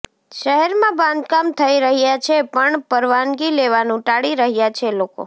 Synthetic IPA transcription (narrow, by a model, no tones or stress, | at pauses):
ʃəɦɛɾmãbãnd̪kamt̪ʰəiɾəɦjat͡ʃʰepəɳpəɾʋanɡileʋanũʈaɽiɾəɦjat͡ʃʰeloko̰